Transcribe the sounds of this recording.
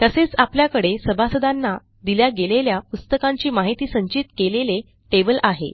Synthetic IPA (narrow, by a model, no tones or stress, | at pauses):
t̪əset͡sapljakəɽesəbʱasəd̪anːa | d̪iljaɡeleljapust̪əkãɲt͡ɕiːmaɦit̪iːsəɲt͡ɕit̪kelele | ʈebəlʔaɦḛ